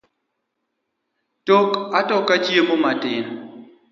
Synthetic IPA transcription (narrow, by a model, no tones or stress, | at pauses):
tokatɔkat͡ʃjemomatɪn